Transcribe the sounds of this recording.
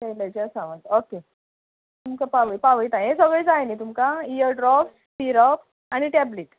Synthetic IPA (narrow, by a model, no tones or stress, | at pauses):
kejlət͡ɕeəsãʋət̪oke | t̪umkapaʋəjpaʋəjt̪ãjẽsəɡɭed͡zajnit̪umkaijəɾɖɾɔfs | piɾɔp | aɽ̃iʈɛbleʈ